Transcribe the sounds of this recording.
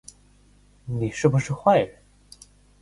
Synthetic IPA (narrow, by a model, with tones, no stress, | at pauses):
ni˨˩ʂɻ̩˥˩bu˨˩ʂɻ̩˥˧xwa˥˩ɪɻə˧˦n